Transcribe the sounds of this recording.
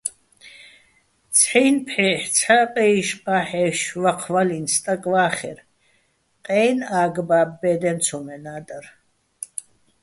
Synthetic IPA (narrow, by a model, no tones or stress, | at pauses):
t͡sʰħɛjnpʰħɛħt͡sʰaqʼɛiʃqʼaːħɛʃvaqʰvalinst̪ʼakʼvaːχɛ̰ɾ | qʼɛːnaːɡbaːbːɛːd̪ɛnt͡sʰɔmɛnaːd̪ar